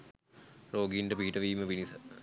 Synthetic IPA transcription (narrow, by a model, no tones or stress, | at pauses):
roːɡiɳɖəpiɦiʈəʋiːməpinisə